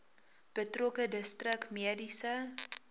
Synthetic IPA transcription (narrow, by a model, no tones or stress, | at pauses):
b̥ətrokədəstrəkmiədisə